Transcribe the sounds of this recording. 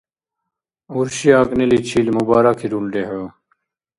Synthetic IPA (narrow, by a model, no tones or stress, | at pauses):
uɾɕiaːknelit͡ɕʰiːlmubaːɾakʰiɾuɳɖeɦə